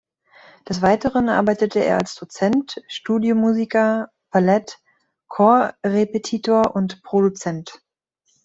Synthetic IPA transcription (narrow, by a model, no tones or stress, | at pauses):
d̥ɛsv̥aɪtəʁənʔa̰ɐbaɪtətʰəḛːɐa̰lsd̥ot͡sɛntʃtuːdjomuːzikɐ | pʰalɛt | kʰɔɐʁepetʰiːtʰoːɐʔʊntpʁ̥odut͡sɛnt